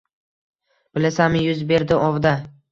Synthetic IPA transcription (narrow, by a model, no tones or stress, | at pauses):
b̥ɪlasamɪjʊzbe̞ɾd̪ɪɒvd̪a